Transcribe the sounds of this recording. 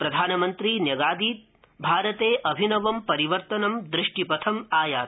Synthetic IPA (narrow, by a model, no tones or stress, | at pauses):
pɾɐd̪ʱaːnɐmɐnt̪ɾiːnjɐɡaːd̪iːt̪ | bʱaːɾɐt̪eːʔɐbʱinɐʋɐmpɐɾiʋɐɾt̪ɐnɐmd̪ɾɪʂʈipɐt̪ʰɐmaːjaːt̪̚